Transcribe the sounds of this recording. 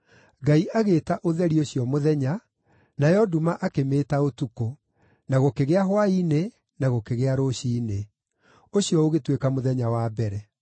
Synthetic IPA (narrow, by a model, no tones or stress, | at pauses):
ɡaiʔaɣeːtaʔoðɛɾioɕjɔmoðɛɲa | najɔdumaʔakemeːtaotuko | naɣokeɣeaɦwaine | naɣokeɣeaɾoɕiːne | oɕjɔoɣetwekamoðɛɲawaːbɛɾɛ